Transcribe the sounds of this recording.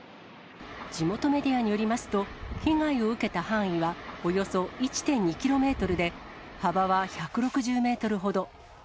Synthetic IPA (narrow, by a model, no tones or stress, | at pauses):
d͡ʑimo̞t̪o̞me̞d̪ʲiaɲ̟ijo̞ɾʲimasɨ̥t̪o̞kʲĩŋɡaio̞ɯ̟ke̞t̪ahãɰ̃iβaojo̞so̞it͡ɕi̥t̪ẽ̞ɲ̟ːikʲiɾo̞me̞ːt̪o̞ɾɯ̟d̪e̞ | habaβaçakɯ̟ɾo̞kɯ̟ʑɨːme̞ːt̪o̞ɾɯ̟ɦo̞d̪o̞